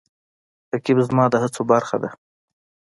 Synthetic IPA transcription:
t̪akibzmɑd̪əhat͡sobaɾxa̰d̪a

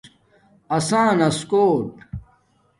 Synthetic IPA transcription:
ɐsãːnɐskoːʈ

